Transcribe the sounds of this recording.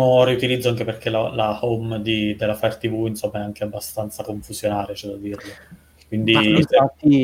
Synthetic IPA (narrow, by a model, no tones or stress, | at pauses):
oɾiut̪ilid̪zːoaŋkeperk̟elalahomd̪id̪elːafart̪ivuinsomːaɛaŋk̟eabːast̪ant̪sakoɱfuzjonaːɾet͡ʃɛd̪ad̪iːrlo | kwind̪iaat̪ːi